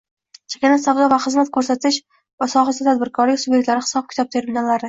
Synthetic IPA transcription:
t͡ʃʰḁkʲanasaw̪ɒvaχɨzmat̪̚kʰɵɾsat̪ʰɪʃ | vasɒχasat̪ʰad̪bɪɾkʰɒɾlɪkʲsʊbje̞k̚ʲt̪laɾɪχɨ̥sɒp̚kʲʰɪt̪ʰɒb̚t̪ʰe̞ɾmɪnalːaɾɪ

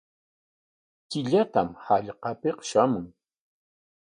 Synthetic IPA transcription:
kɪʎat̪amhaʎqɑpeqʃamʊŋ

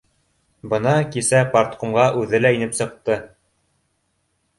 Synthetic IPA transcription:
bɤ̆nɑkisæpaɾt̪qumʁɑʔʉðɘlæinɘpsɤ̆q̚t̪ɤ

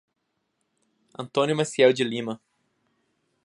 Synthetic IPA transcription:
ɐ̃nt̪õnʊmasiɛwd͡ʒɪlĩmɐ

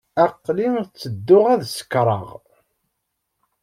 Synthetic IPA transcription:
æqːliŋt͡sːəd̪ːʊʁæðsə̥kɾˤɑ̰ʁ

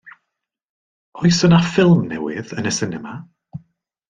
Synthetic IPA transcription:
ɔɨsənafɪlˠmnɛwɪ̰ðənəsɪnɛma

